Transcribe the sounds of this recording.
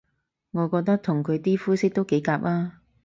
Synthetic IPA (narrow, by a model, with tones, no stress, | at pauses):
ŋɔː˨˧kɔː˧k̚t̪ɐ˥k̚t̪ʰʊ˨˩ŋkʰɵ˨˧ɥt̪iː˥fuː˥sɪ˥k̚t̪o˥wke˨˥jkaː˧p̚ʔaː˥